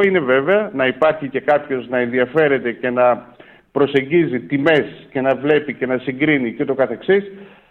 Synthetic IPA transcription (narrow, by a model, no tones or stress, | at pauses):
ine̞ve̞ve̞ɐnɐipɐɾçice̞kɐpço̞znɐe̞nðiɐfe̞ɾe̞t̪e̞ce̞nɐ | pɾo̞se̞ɲɟizit̪ime̞sce̞nɐvle̞pice̞nɐsiŋɡɾinice̞t̪o̞kɐθe̞ksis